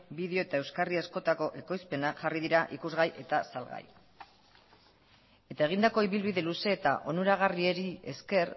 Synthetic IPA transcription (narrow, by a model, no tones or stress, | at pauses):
biðeo̞et̪ae̞wskariasko̞t̪ako̞ʔe̞ko̞jspe̞nakʝarið̞iɾaʔikuzɣajʔe̞t̪asalɣa̰j | e̞t̪ae̞ɣ̞ind̪ako̞iβilβiðe̞luse̞ːt̪a̰ʔo̞nuɾaɣ̞arie̞ɾie̞̰ske̞r